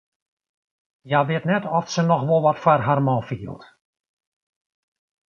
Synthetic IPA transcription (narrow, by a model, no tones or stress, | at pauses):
jaʋɪtnɛtɔfsənɔxʋolˠʋɔtfarɦarmɔfiə̰lˠt